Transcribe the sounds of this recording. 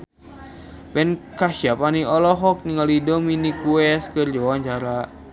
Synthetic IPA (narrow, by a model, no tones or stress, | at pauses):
bɛnkaʃiapaniɔlɔɦɔk̚niŋalidɔminikuɛskɨrd͡ʒɔwaɲt͡ʃaɾa